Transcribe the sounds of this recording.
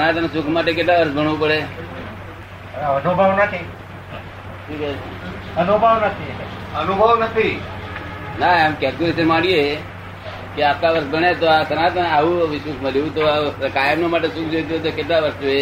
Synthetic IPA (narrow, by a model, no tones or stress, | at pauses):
nat̪nsukʰmaʈ̬ek̬eʈlaəɾsbʱəɳʋũpəɽe | ənubʱəʋnət̪ʰi | ʈʰike | ənubʱəʋnət̪ʰi | ənubʱəʋnət̪ʰi | naemkɛɾkjulesənmãɽie | keap̚kaʋəɾsbəɳet̪oasənat̪aʋũʋisukʰməljũt̪okajəmnomaʈ̬esukʰd͡ʒojt̪̬uet̪okeʈlaʋəɾsd͡ʒoe